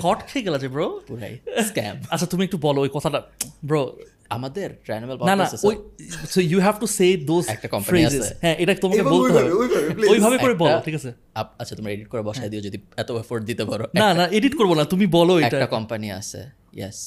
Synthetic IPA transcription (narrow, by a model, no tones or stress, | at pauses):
kɔʈkʰeɡelad͡ʑʰebɾopuɾa̰jskɛ̰matt͡ɕʰat̪umiekʈubɔloojkɔt̪ʰaʈabɾo | a̰mad̪eɾʈɾanimelpɔnanassojsojuɦɛfʈused̪ozɛ̰kʈakɔmfaɾieazesɦɛ̃ʔeʈat̪omakeolt̪eɦɔbeeojbʱabelojbʱabeoɾebɔloʈʰikat͡ɕʰe | aatt͡ɕʰat̪omɾaeɖiʈ̚koɾebɔʃaed̪iod͡ʒod̪iɛt̪oefoɾɖd̪it̪epaɾonnanaeɖiʈkoɾbonat̪umibɔloeɛʈaʈakɔmpania̰sʰḛ | jɛ̰s